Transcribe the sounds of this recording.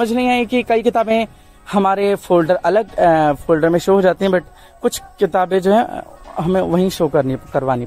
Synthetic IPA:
ɐməd͡ʒʱnɐɦĩakikɐikɪt̪aːbẽ | hɐmaːɾefʰoːlɖəɾʔɐləɡfʰoːlɖəɾmẽʃoɦoːd͡ʒaːt̪eɦɛ̃bɐʈ̚ʰ | kʊt͡ʃʰkɪt̪aːbẽd͡ʒoːɦɛ̃ɦɐmẽʋɐɦĩʃoːkɐɾnikɐɾʋaːni

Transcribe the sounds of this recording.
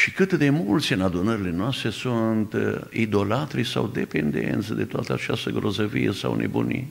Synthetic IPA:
ʃikɨt̪d̪e̞mult̪sʲɨnad̪unəɾile̞noast̪ɾe̞sunt̪id̪o̞lat̪ɾisawd̪e̞pend̪ḛnt̪sʲd̪e̞t̪oat̪əat͡ʃast̪əɡɾo̞zəvijesawnʔḛbunḭ

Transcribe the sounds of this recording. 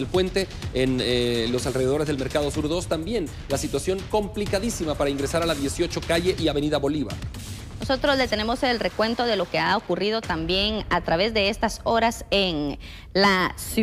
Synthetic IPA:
elpwe̞nt̪e̞enlo̞salre̞ð̞e̞ð̞o̞ɾe̞zðelme̞ɾkaðo̞suɾðo̞st̪ambje̞n | lasit̪wasjo̞ŋko̞mplikaðisimapaɾaiŋɡɾe̞saɾalaðje̞sjo̞t͡ʃo̞kaʝe̞ʔiaβe̞niðaβo̞liβa̰ | no̞so̞t̪ɾo̞zðe̞t̪e̞ne̞mo̞se̞lre̞kwe̞nt̪o̞ðe̞lo̞ke̞aokurið̞o̞t̪ambje̞ŋat̪ɾaβe̞zðe̞est̪aso̞ɾasen | las

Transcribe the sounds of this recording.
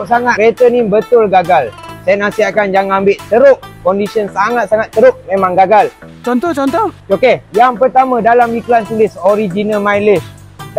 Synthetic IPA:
saŋat̪ɾet̪ənĩbət̪ʊlɡaɡalsajanasiakand͡ʒaŋambɪʔt̪əɾʊʔ̚kɔndisiənsaŋat̪̚saŋat̪ːəɾʊp̚mẽmãŋɡaɡal | t͡ʃɔnt̪ɔt͡ʃɔnt̪ɔt͡ʃokejaŋpərt̪amãdalamikulant̪ulɪsoɾid͡ʒinalmajlɪs

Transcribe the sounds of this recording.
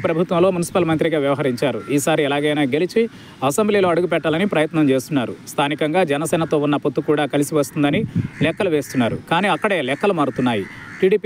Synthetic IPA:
pɾɐbʱut̪ʋɐmlo̞ːmunisi̥paːlmɐnt̪ɾiɡaːʋjɐʋɐɦɐɾiɲt͡ʃaːɾṵʔiːsaːɾiɛlaːɡɐjnaːɡe̞lit͡ʃi | ɐsembliːlo̞ːɐɽuɡupɛʈːaːlɐnipɾɐjɐt̪nɐmt͡ʃe̞ːst̪unːaːɾṵst̪ʰaːnikɐŋɡaːd͡ʒɛnɐsɛːnɐt̪o̞ːunːɐpot̪ːukuːɽaːkɐlisiʋɐst̪und̪ɐnilɛkːɐluʋe̞ːst̪unːaːɾṵkaːniːɐkːɐɽe̞ːlɛkːɐlumaːɽut̪unːaːjḭ | ʈiːɽiːp

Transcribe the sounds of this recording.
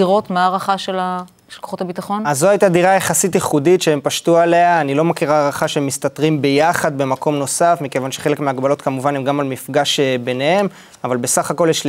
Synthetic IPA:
iʁo̞tmeaːʁaχaʃela | ʃelkoχo̞tabitaχo̞nazːoajt̪adiʁajeχasit̬jiχuditʃeempaʃtuale̞aːnilo̞makiʁaːʁaχaʃeemist̪atʁimbe̞jaχad̪̚be̞mako̞mno̞safmike̞vanʃe̥χe̞lekmeaɡbalo̞tkamuvanemɡamalmifɡaʃebe̞nehe̞m | avalbe̞saχako̞ljeʃ

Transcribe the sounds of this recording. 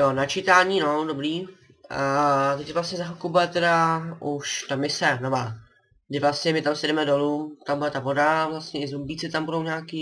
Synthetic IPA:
jonat͡ʃɪt̪aːɲiːno̞dobɾiː | t̪ɛcvlastɲɛzaɦokubɛt̪ɛɾaʔuʃt̪amɪsɛnova | ɡdɪvlastɲɛmɪt̪amsjɛdɾɛmɛdo̞lut̪ambudɛt̪avodavlast̪ɲɛɪzombiːt͡sɪt̪ambudowɲaːkiː

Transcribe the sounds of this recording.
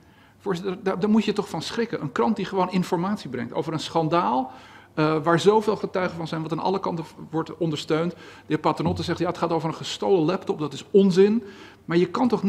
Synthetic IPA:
fʊːɹszɪttədaːdaːɹmujətɔχfɑnsχrɪkənʔə̰nkrɑnt̚diχəʋownɪnfɔɹmaːtsibrɛ̰ŋ̚to̰wvəɾənsχɑndaːlˠ | ʋaːɹzowveːlˠχətœɥχəvɑnzɛjnʋɑtaːnʔɑ̰ləkɑntəʋɔɹtɔndəɹstøɥntdəɪːɹpaːtənɔtəzɛχtjaːətχaːtowvərənχəstowləlɛp̚tɔpdɑtɪsɔnzɪn | maːɹjəkɑntɔχn

